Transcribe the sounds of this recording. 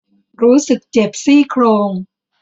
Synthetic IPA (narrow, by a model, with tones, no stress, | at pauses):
ɾuː˦˥sɯ˨˩k̚t͡ɕe˨˩p̚siː˥˩kʰɾoː˧ŋ